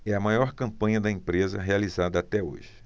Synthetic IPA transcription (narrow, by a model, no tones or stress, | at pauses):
ɛɐmajɔɾkɐ̃mpɐ̃ɲɐd̪ɐẽpɾezɐ̰ɦealizad̪ɐat̪ɛo̰ʒɪ